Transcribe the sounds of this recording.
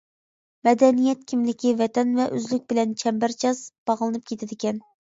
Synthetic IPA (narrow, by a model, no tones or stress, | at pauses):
mɛd̪ɛnijɛt̪̚kʲʰimlɪkʲivɛt̪ʰɛnvɛʔøzlyk̚ʲbɪlɛnt͡ʃʰɛmbæɾt͡ʃʰɑzb̥ɑʁlˠɨnɨp̚kʲʰet̪ʰɪd̪ɪkʲɛn